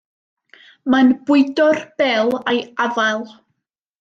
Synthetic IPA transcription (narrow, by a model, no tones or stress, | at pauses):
manb̥ʊɨdɔrb̥ɛlˠajavalˠ